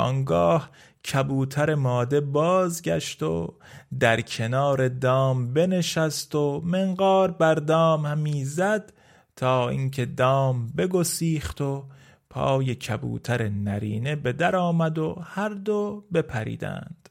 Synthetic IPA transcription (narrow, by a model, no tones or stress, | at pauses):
ʔɒ̰ːŋɡɒːh | cʰæbuːt̪ʰæɾe̞mɒːd̪e̞bɒːzɟæ̰ʃt̪o̞̰ | d̪æɾkʰe̞nɒːɾe̞d̪ɒːmbe̞ne̞ʃæst̪o̞meŋɡɒːɾbæɾd̪ɒːmhæmiːzæd̪̥ | t̪ʰɒːḭŋkʰe̞d̪ɒːmbe̞ɡo̞siːχt̪o̞ | pʰɒ̰ːje̞cʰæbṵːt̪ʰæɾenæɾiːne̞be̞d̪æɾɒːmæd̪o̞̰hæɾd̪obe̞pʰæɾḭːd̪æ̰nd̪̥